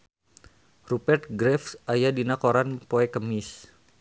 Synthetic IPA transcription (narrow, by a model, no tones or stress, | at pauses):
rupɛrt̪̚ɡɾɛfsajadinakoɾanpoɛkəmɪs